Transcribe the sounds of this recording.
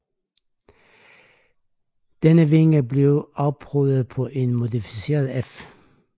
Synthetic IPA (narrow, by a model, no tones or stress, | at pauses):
d̪̥ɛnəʋeŋəbleʊɑb̥ʰʁøðəð̩ˠpʰɔ̽ʔenmʊd̪ifi̥se̝ːɐð̩ˠef